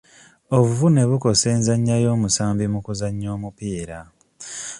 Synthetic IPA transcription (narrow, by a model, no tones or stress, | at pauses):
o̞βuvune̞βuko̞se̞ːnzaɲːajo̞ːmusaːmbimukuzaɲːo̞ːmupiːɾa